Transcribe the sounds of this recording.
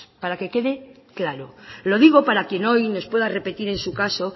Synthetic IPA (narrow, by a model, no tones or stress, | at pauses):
paɾake̞ke̞ðe | klaɾolo̞ðiɣ̞o̞paɾakje̞no̞jno̞spwe̞ðare̞pe̞t̪iɾe̞nsukaso̞